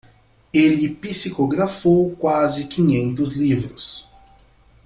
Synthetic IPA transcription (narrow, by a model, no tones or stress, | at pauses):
elɪpisikoɡɾafowkwazɪkĩɲẽnt̪ʊzlivɾʊs